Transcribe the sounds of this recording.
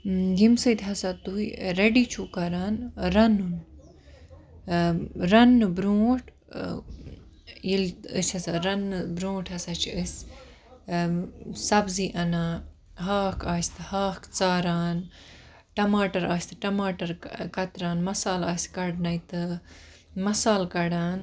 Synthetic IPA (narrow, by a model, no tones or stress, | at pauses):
ɡimsɨt̪ɦɐsat̪uiɾeɖit͡ʃʰuːkɐɾaːnɾɐnun | ɾɐnɨbɾõːʈʰ | jilt̪əsʲɐsaɾɐnbɾõːʈʰhɐsat͡ʃʰiəsʲ | sɐbziːʔɐnaː | ɦaːkʰaːsʲt̪ɨhaːkt͡saːɾaːn | ʈɐmaːʈɐɾaːsʲt̪ɨʈɐmaːʈɐɾkɐt̪ɾaːnmɐsaːlaːsʲkɐɽnɐjt̪ɨ | mɐsaːlkɐɽaːn